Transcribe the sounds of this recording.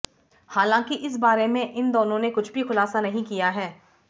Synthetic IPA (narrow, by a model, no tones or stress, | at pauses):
haːlãːkiʔɪsbaːɾemẽʔɪnd̪oːnõnekʊt͡ʃʰbʱixʊlaːsanɐɦĩkijaɦɛː